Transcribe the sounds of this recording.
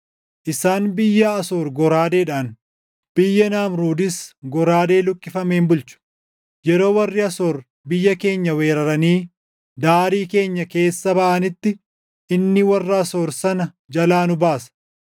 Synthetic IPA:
ʔɪsaːnbɪjːɐɐso̞ːɾɡɔɾaːd̪e̞ːᶑaːn | b̥ɪjːɐnaːmɾuːd̪ɪsɡɔɾaːd̪e̞ːlʊkʼːɪfɐmeːmbʊlt͡ʃʊ̥ | jɛɾo̞ːwɐrːɪɐso̞ːɾ | bɪjːɐke̞ːɲːɐwe̞ːɾɐɾɐniː | d̪aːɾiːke̞ːɲːɐke̞ːsːɐbɐʔɐnɪt̪ːɪ | ɪnːɪwɐrːaːso̞ːɾsɐnɐ | d͡ʒɐlaːnʊbaːsɐ̥

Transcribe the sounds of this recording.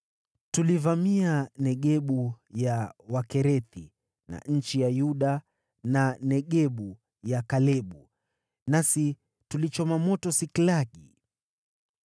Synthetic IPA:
tulivamianɛɠɛɓujawakɛɾɛθi | na̰ɲ̩t͡ʃijajuɗa | nanɛɠɛɓu | jakalɛɓu | nasi | tulit͡ʃɔmamɔtɔsiklaɠi

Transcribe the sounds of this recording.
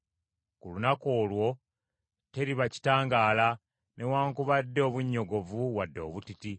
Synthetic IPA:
kulunako̞ːlwo̞ | te̞ɾiβaci̥taːŋɡaːla | nʔe̞waːŋkuβadːeoβuɲːo̞ɡo̞vuwadːo̞ːβutiti

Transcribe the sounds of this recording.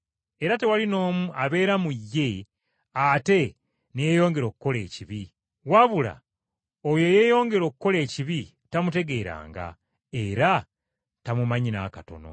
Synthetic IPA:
e̞ɾate̞walino̞ːmuaβe̞ːɾamujːe̞ | ate̞ | nejejo̞ːŋɡe̞ɾo̞ːkukːo̞le̞̰ːciβi | waβula̰ | ojo̞je̞jo̞ːŋɡe̞ɾo̞ːkukːo̞le̞ːciβi | tamute̞ɡe̞ːɾa̰ːŋɡa̰ | e̞ɾa | tamumaɲinakato̞̰no̰

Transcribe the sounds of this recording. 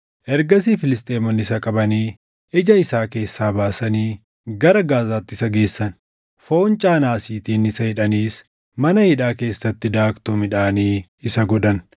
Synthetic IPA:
ʔɛɾɡɐsiːfɪlɪs̬t̪ʼeːmɔnːɪsɐkʼɐbɐniː | ʔɪd͡ʒɐɪsaːke̞ːsːaːbaːsɐniː | ɡɐɾɐɡaːzaːt̪ːɪsɐɡe̞ːsːɐn | fo̞ːnt͡ʃʼaːnaːsiːt̪iːnɪsɐhɪᶑɐniːs | mɐnɐhɪᶑaːke̞ːsːɐt̪ːɪd̪aːkt̪uːmɪᶑaːniːɪsɐɡɔᶑ̪ɐn

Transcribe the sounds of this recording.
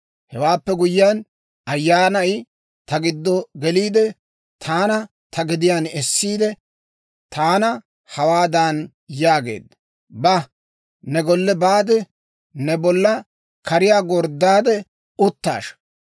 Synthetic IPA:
hɛwaːpːɛɡʊjːɪjan | ɐjːaːnɐj | t̪ɐɡɪd̪ːɔɡɛliːd̪ɛ | t̪ʰaːnɐ | t̪ʰɐɡɪd̪ɪjaːnɛsːiːd̪ɛ | t̪aːnɐ | hɐwaːd̪an | jaːɡe̞̰ːd̪ɐ | bɐ | nɛɡɔlːɛbaːd̪ɛ | nɛbɔlːɐ | kɐɾɪjaːɡɔɾd̪ːaːd̪ɛ | ʊt̪ːa̰ːʃ

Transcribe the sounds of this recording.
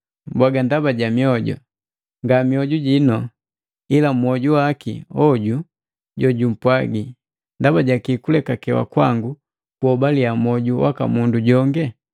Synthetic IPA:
mbwaɡandabaɟamiɔɟɔ̰ | ŋɡamiɔɟuɟinɔ | ilam̩ɔɟuwakḭɔɟu | ɟɔɟum̩pwaɡi | ndabaɟakikulɛkakɛwa̰kwaŋɡu | kuɔbaliamɔɟuwa̰ka̰munduɟɔŋɡɛ

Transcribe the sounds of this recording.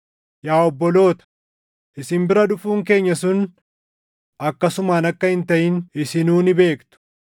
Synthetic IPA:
jaːɔbːɔlo̞ːt̪ɐ̥ | ʔɪsɪmbɪɾɐᶑʊfuːŋk̬e̞ːɲːɐsʊn | ɐkːɐsʊmaːnɐkːɐhɪnt̪ɐʔɪnɪsɪnuːnɪbe̞ːkt̪ʊ̥

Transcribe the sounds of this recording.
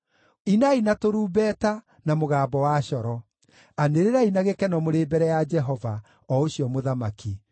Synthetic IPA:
inainatoɾuːbɛːta | namoɣaːbɔwaɕɔɾɔ | aneɾeɾainaɣekɛnɔmoɾeːbɛɾɛjad͡ʒɛɦɔva | ɔoɕjɔmoðamaki

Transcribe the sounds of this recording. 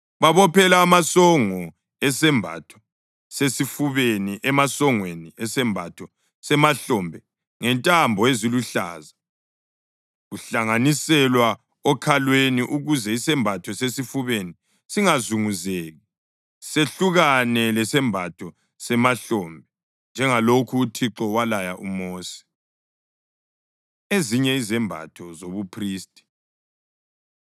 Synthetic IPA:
βaβɔpʰɛlaːmasɔŋɔ | ɛsɛmbʱa̰tʰɔ̥ | sesifuβeniʔɛmasɔŋweniɛsɛmbʱa̰tʰɔ | sɛmaɬɔmbʱɛ | ŋɛntʼambʱɔeziluɬa̰ːza | ɣuɬaŋanisɛlwa | ɔkʰalweniʔuɣuzɛisɛmbʱatʰɔsesifuβeni | siŋazuŋuzeːɣi | seɬuɣanɛlɛsɛmbʱatʰɔ | sɛmaɬɔːmbʱɛ | nd͡ʒʱɛŋalokʰuːtʰiǁɔwalajaʔumoːsi̥ | eziɲɛizɛmbʱa̰tʰɔzoβupʰriːstʼi̥

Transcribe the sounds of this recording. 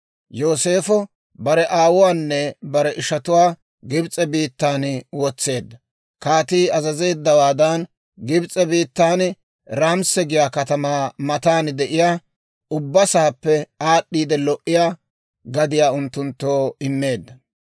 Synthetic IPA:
jo̞ːse̞ːfɔ | bɐɾɛʔaːwʊwaːnːɛbɐɾɛʔɪʃɐt̪ʊwaː | ɡɪbt͡sʼɛbiːt̪ːaːnwɔt͡sːe̞ːd̪ːɐ | kaːt̪iːɐzɐze̞ːd̪ːɐwaːd̪ɐn | ɡɪbt͡sʼɛbiːt̪ːaːn | ɾaːmsɛɡɪjaːkɐt̪ɐmaːmɐt̪aːnd̪ɛʔɪjaː | ʔʊbːɐsaːpːɛaːɗːiːd̪ɛlɔʔɪjaː | ɡɐd̪ɪjaːʊnt̪ːʊnt̪ːoːɪnːe̞ːd̪ːɐ

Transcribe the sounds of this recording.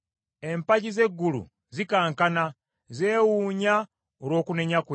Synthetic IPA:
e̞mpaɟize̞ɡːulṵ | zikaːŋkana | zeːwuːɲa | oɾo̞ːkune̞ɲakwe

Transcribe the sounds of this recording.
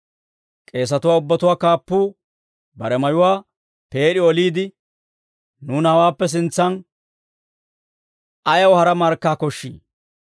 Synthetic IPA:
kʼe̞ːs̬ɐt̪ʊwaːʊbːɐt̪ʊwaːkaːpːuː | bɐɾɛmɐjʊwaː | pe̞ːɗɪɔliːd̪ɪ | nuːnaːwaːpːɛs̬ɪnt͡sːɐn | ɐjɐwhɐɾɐmɐɾkːaːkɔʃːḭː

